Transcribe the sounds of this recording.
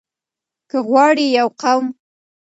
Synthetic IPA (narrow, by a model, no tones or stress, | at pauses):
kəɣwɑɽijawqawm